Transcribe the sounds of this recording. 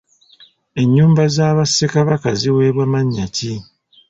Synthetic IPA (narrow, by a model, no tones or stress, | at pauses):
e̞ɲːuːmbazaːβasekaβakaziwe̞ːβwamaɲːaci